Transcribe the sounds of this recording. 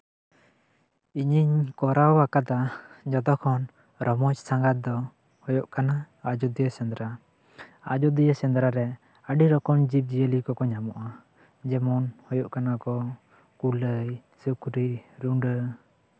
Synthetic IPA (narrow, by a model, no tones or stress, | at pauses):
iɲiɲkɔɾawakat̪ad͡ʒɔd̪ɔkʰɔn | ɾʔɔmɔt͡ʃsaŋɡat̪̚d̪ɔ | hɔjɔʔkana | ad͡ʒɔd̪ijəsɛ̃nd̪ɾa | a̰d͡ʒɔd̪ijəsɛnd̪ɾaɾɛ | əɖiɾɔkɔmd͡ʒip̚d͡ʒijəlikɔkɔɲamɔʔa | d͡ʒɛmɔnhɔjɔʔkanakɔ | kuləjsukɾiɾuɳɖə